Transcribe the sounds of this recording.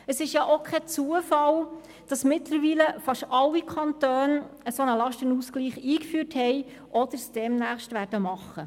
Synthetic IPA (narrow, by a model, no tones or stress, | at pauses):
əsɪʃjɑʔokʰɛt͡suəfɑl | d̥ɑsmɪtləɾʋiːləfɑʃɑlːikʰɑntøːnəsonəlɑʃtənuskliːχiːkfyːthɛɪ | ʔɔd̥̪əɾsd̥ɛmnæːχʃtʋæːɾdəmɑχːə